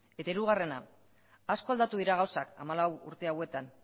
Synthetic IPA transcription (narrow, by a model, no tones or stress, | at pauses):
e̞t̪aiɾuɣ̞are̞naː | sko̞ald̪at̪uðiɾaɣawsaka̰malawṵɾt̪e̞awe̞t̪an